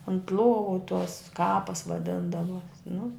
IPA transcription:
ʊnt ˈlˠuɔʋʊ tuɔs ˈkɑːpɐs ʋɐˈdʲɪndɐʋuɔ nʊ

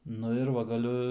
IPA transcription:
ˈnʊ ɪr ˈʋɐ ɡɐˈlʲʊ

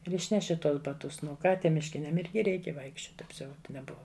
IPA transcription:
ɪr ˈɪʃʲnʲɛʃʲɪ ˈtuɔs bɐˈtʊs nʊ ˈkɑː ˈtʲiɛm mʲɪʃʲˈkʲɪnʲɛm ˈɪrʲɡʲɪ ˈrʲɛɪkʲɛ ʋɐɪkʃʲˈt͡ʃʲoːt ɐpʲˈsʲɛʊt nʲɛˈbʊʋɐ

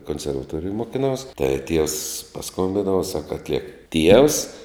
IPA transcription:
koːnʲsʲɛrʋɐˈtuɔrʲɪjoːj moːkʲɪˈnɐʊs tɐɪ tʲiɛws pɐˈskoːmʲbʲɪndɐʊ sɐk ɐtʲˈlʲiɛk ˈtʲiɛws

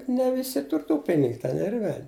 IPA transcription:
nʲɛ ˈʋʲɪsʲɪ ˈtʊr tuː ˈpʲɪnʲɪk tʲɛn ɪr ˈʋʲɛlʲ

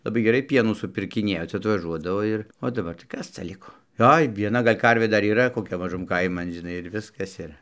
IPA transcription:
lˠɐˈbɐɪ ɡʲɛˈrɐɪ ˈpʲiɛnuː sʊpʲɪrʲkʲɪˈnʲiɛjoː ˈt͡sʲɛ ɐtʋɐˈʒuɔdɐʋoː ɪr oː dɐˈbɐr tɐɪ ˈkɐs t͡sɐ ˈlʲɪkoː ˈoːɪ ʋʲiɛˈnɐ ˈɡɐlʲ ˈkɐrʲʋʲeː ˈdɐr iːˈrɐ koːˈkʲɛ mɐˈʒʊm ˈkɐɪmɐn ʒʲɪˈnɐɪ ɪr ˈʋʲɪskɐs ˈɪr

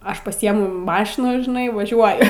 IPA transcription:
ˈɐʃ pɐˈsʲiɛmʊ ˈmɑːʃʲɪnɑː ʒʲɪˈnɐɪ ʋɐˈʒʲuɔjʊ

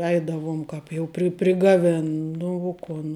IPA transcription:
ˈɛɪdɐʋʊm ˈkɑːp jɛʊ pʲrʲɪ pʲrʲɪɡɐˈʋʲɪn ˈnʊ ʊ ˈkʊn

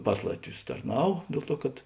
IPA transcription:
ˈpɐs lˠɐtʲˌʋʲʊs tɐrˈnɐw ˈdʲeːlˠ ˌtuɔ kɐt

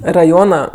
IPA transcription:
rɐˈjoːnɐ

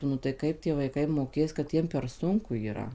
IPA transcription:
nʊ tɐɪ ˈkɐɪp tʲiɛ ʋɐɪˈkɐɪ moːˈkʲeːs kɐt ˈjiɛm pʲɛr ˈsʊŋkʊ iːˈrɐ

